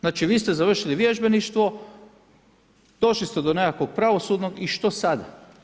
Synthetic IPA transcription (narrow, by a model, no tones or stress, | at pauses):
znaːt͡ʃiʋiːst̪ɛzaʋr̩ʃiliʋjeʒbeniʃt̪ʋo̞ | d̪o̞ʃlist̪ed̪onekakʋoɡ̚pɾaʋo̞sud̪noɡiʃt̪o̞sad̪a̰